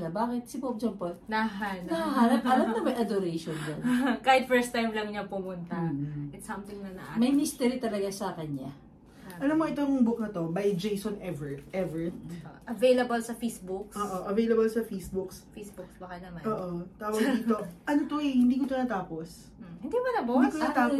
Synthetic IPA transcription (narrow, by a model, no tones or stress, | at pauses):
ɡɐbaːkɛt̪̚sɪpop̚d͡ʒɐmpolnɐɦannɐɐɦaɾɐpʔɐlamnɐmɐjʔɐd̪ʊɾɛjʃond̪onkaːhɪt̪fɛɹst̪ːajmlɐŋɲɐpʊmʊnt̪ɐɪt̪sɐmt̪ɪŋnɐnɐʔamɐjmist̪ɛɾit̪ɐlɐɡasɐkɐɲːa̰ | ʔɐlɐmːoɪt̪oŋbʊk̚nɐt̪o̞bɐjd͡ʒejsonɛvɛɹt̪ʔɛvɛɹt̪̚ʔɐvejlɐbɐlsɐfejsbʊkʔoːʔoʔɐvejlɐbɐlsɐfejsbʊksfejsbʊksbɐkɐnɐmaoːʔot̪aːwɐɡd̪iːt̪oʔɐnot̪oɛhɪnd̪iːk̬ot̪ʊnaːt̪aːpos | hɪnd̪imɐnɐboik̪ːt̪a